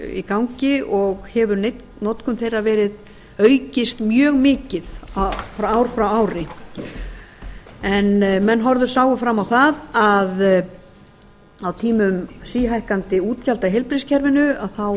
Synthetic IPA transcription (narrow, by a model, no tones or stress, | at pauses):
ḭkawɲcɪʔɔɣhɛvʏɾnejt̪ | nɔt̪kʰʏmθejrːavɛːɾɪð | œɥcɪst̪mjœːɣmɪːcɪðfɾaaːwɾfɾawaːwɾɪ | ɛnmɛnːɦɔɾðʏɾ̥saːwɣʏfɾamːawθaðað | awt̪ʰiːmʏmsiːɦajhkant̪ɪuːt̪calt̪aɦejlpɾiscʰɛɾvɪnʏaðθaw